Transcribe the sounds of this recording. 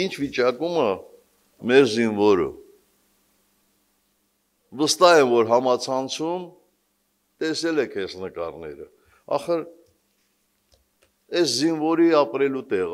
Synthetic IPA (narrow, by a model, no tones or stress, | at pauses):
int͡ʃʰvit͡ʃɑkumə | mɛɾzinvɔɾə̰ | vəst̪ɑɦɛnvɔɾɦɑmɑt͡sʰɑnt͡sʰum | t̪ɛsɛlɛkʰɛsnəkɑɾnɛ̰ɾə | ɑ̰χəɾ | ɛszinvɔɾiɑpɾɛlut̪ɛʁ